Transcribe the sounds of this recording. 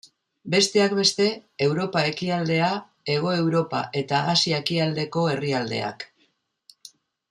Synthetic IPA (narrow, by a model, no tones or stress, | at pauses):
be̞st̪e̞ak̚be̞st̪e̞ːwɾo̞pae̞kiald̪e̞a | e̞ɣ̞o̞e̞wɾo̞pa̰ʔe̞t̪aːsiaekiald̪e̞ko̞e̞riald̪e̞̰a̰k